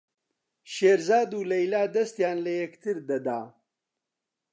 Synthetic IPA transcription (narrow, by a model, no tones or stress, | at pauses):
ʃeːɾzaːd̪uːlɐjlaːd̪ɐst̪jaːnlɐjɐkt̪ʰɨɾd̪ɐd̪aː